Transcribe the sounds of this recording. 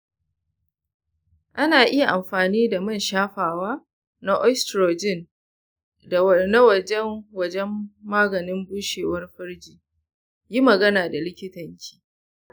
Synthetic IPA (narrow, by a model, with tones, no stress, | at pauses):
ʔa˦naː˨ʔɪ˦ja˨ʔa˨mɸaː˨niː˦da˨mɐ˦˨nʃaː˦ɸaː˨waː˦ | na˦ʔɔ˦stɾoː˨d͡ʒɪ˦˨n | da˨na˦wɐ˨d͡ʒɛ˦nwɐ˦˨d͡ʒɛ˦mːaː˦ɡɐ˨nɪ˦mbuː˦ʃeː˨wɐ˦rɸɐ˦rd͡ʒiː˨ | ji˦mɐ˨ɡɐ˦naː˨da˨lɪ˦kʲɪ˦tɐ˨ɲkʲʰi̥ː˦